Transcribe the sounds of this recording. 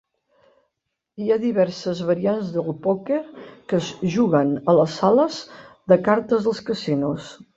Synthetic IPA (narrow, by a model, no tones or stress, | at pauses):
iaðiβɛɾsəzβəɾianzðəlupokekəzʒuɣənələsaləzðəkaɾt̪əzðəlˠskəsinus